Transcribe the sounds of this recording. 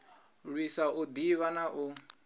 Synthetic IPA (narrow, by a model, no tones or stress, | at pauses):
ɺwisaʔʊd̪iβanaʔu